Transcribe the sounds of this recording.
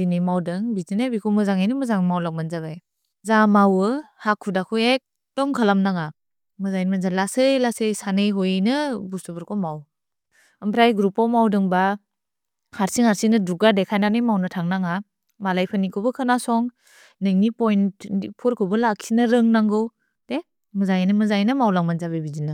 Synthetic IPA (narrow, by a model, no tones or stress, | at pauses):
inimawdɯŋbizinajbikʰɔwmɯzaŋajnɯmɯzaŋmawlak̚manzaβaj | zamawɯhakʰːudakʰuek̚ | tɔŋkʰalamnaŋa | mɯzajnmanzalasɯjlasɯjsanɯjɦɔjnɯbusubɯɾkʰɔmaw | ɯmpʰɾajɡɾupɔwmawdɯŋba | haɾsiŋhaɾsinɯduɡadekʰajnanɯjmawnɯtʰaŋnaŋa | malajpʰɯnikʰobɯkʰɯnasɔŋ | nɯŋnipɔjntipʰɔɾkʰɯbɯlaksʰinɯɾɯŋnaŋɡɯw | d̥e | mɯzajnɯmɯzajnɯmawlaŋmanzabejbizinɯ